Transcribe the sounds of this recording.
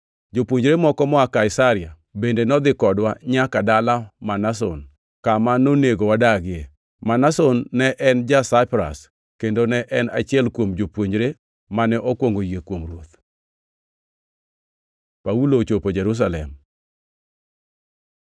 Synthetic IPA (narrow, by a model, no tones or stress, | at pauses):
d͡ʒopwoɲd͡ʒɾemɔkɔmɔakaɪsaɾɪa | bendenɔd̪ɪkɔdwaɲakadalamanas̬o̰n | kamanoneɡowadaɡɪe | manasonːɛʔɛnd͡ʒasaɪpɾa̰s | kendonɛʔɛna̰t͡ʃɪɛlkwomd͡ʒopwoɲd͡ʒɾe | manɛʔokwoŋɡojekwomɾot̪ | paulot͡ʃopod͡ʒɛɾus̬alɛ̰m